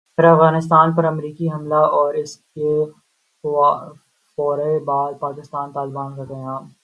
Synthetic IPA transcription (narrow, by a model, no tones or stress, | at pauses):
pʰɪɾɐfɣaːnɪst̪aːnpɐɾɐmɾiːkiɦɐmlaɔːɾɪske | fɔːɾebaːd̪̚paːkɪst̪aːnt̪aːlɪbaːnkɐkɐ̃ɦãː